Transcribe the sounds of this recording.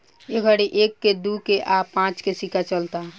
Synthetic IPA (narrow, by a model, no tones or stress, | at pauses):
eɡʱəɽiʔekːed̪ukeʔapãt͡ʃkesikat͡ʃəlt̪a